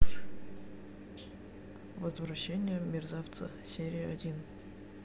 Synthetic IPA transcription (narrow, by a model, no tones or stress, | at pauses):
vəzvɾɐɕːenʲɪjəmʲɪrzaft̪sə̰sʲeɾʲɪɐdʲin